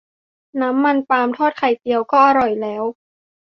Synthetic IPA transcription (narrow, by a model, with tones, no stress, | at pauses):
naː˦˥mːa˧npaː˧mt̪ʰɔː˥˩t̪̚kʰa˨˩jt̪i˧əwkɔː˥˩ʔa˧ɾɔ˨˩jlɛː˦˥w